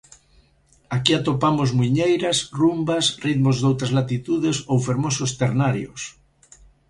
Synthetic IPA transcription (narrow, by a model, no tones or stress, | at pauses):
akiat̪opamozmuɲejɾɐsrumbasriðmozðowt̪ɾazlat̪it̪uðesowfeɾmosost̪eɾnaɾjos